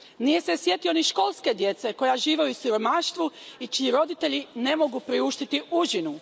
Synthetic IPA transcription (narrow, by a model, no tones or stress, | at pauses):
nije̞se̞sje̞t̪io̞niʃko̞lˠske̞d̪je̞t̪se̞ko̞jaʒiːʋejusiɾo̞maʃt̪ʋuit͡ʃiːɾo̞d̪it̪e̞ʎine̞mo̞ɡupɾiuʃt̪it̪iʔuʒinu